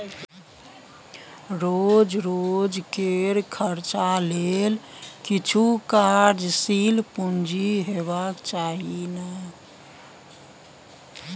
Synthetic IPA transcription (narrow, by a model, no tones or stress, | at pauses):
ɾod͡ʒɾod͡ʒkeɾkʰəɾt͡ʃalelkit͡ʃʰukaɾd͡ʒsilpund͡ʒiɦebakt͡ʃaɦinə